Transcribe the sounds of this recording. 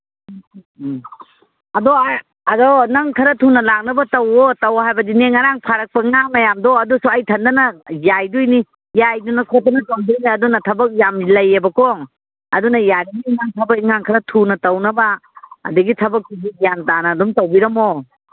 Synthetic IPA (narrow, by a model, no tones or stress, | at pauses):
ɐdɔ | ɐdɔnɐŋkʰɐɾɐtʰunɐlak̚nɐbɐtɐwotɐwhajbɐdineŋːaɾaŋpʰaɾɐk̚pɐŋaŋmɐjamdɔɐdusuɐjtʰɐndɐnɐjajdujni | jajdunɐkʰɔt̚ːɐnɐtoŋbiɾniɐdunɐtʰɐbɐk̚jamilɐjːebɐkɔŋ | ɐdunɐjadiɡiŋaŋtʰɐbɐkiŋaŋkʰɐɾɐtʰunɐtɐwnɐbaɐ̰duɡitʰɐbɐk̚ːibijantanɐːdumtɐwbiɾɐmo